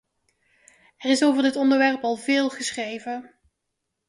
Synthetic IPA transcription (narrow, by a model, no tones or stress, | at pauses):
ɛrɪsowvəɹdɪtɔndəɹʋɛɹpɑlˠvɪːlˠχəsχrejvə